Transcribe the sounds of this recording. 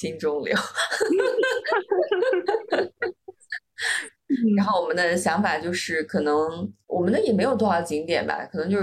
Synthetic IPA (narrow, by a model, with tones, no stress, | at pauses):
i˥nʈ͡ʂʊ˥ŋljo̰˧˥ʊ | ɻa˥xo˥˩wɔ˨˩mə˦nd̪ə˧ɕjɑ˧˥ŋfa˨˩t͡ɕjo˥˧ʊʂɻ̩˥˩kʰɤ˨˩nɤ˧˥ŋwʔɔ˨˩mə˦nd̪ə˧jɛ˨˩me˧˥jʊt̪ʰɔ˥˩ɑ˥˩t͡ɕi˧˥ŋt̪jɛ̰˨˩nbɐ̰˧kʰɤ˨˩nɤ˧˥ŋt͡ɕo˥˧ʊʂ